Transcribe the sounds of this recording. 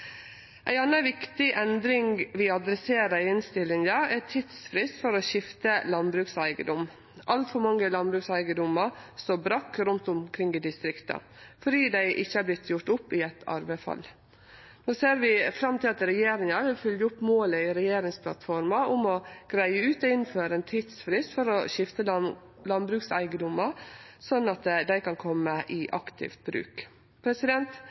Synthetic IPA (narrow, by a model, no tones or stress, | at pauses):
ʔæɪɑnəʋɪkt̪ɪʔɛnd̪ɾɪŋʋɪɑd̪ɾɛseːɾəɪnst̪ɪlːɪŋd̪əɛʈʰɪd̪sfɾɪst̪fɔɾɔʃɪft̪əlɑnbɾʉksæɪɡəd̪ɔm | ʔɑlt̪fɔɾmɑŋːəlɑnbɾʉːksæɪɡəd̪ʊməɾst̪obɾɑkːɾʉnt̪ʊmkʰɾɪŋɪd̪ɪst̪ɾɪkt̪ə̰fɔɖiːd̪æɪʔɪçːəæblɪt̪ʰːjʊʈʊpːɪɛt̪ʰɑ̰ɾbəɪfɑ̰l | noːseːɾʋɪfɾɑmt̪ɪlɑt̪ɾɛjeːɾɪŋɑɾʋɪlfʏljəʊpːmoːləɪɾɛjeːɾɪŋspʰlɑ̰t̪fɔɾmɑʊmɔɡ̥ɾæɪəʉːt̪ɔɪnføːɾəɛnt̪ʰiːd̪sfɾɪst̪fɔɾɔʃɪft̪ə | lɑnbɾʉːksæɪɡəd̪ʊmɑsɔnːɑt̪d̪æɪkɑnkʰɔmːəʔɪʔɑ̰kt̪ʰɪ̰ft̪̚bɾʉ̰ːk | pʰɾɛsɪd̪ɛnt̪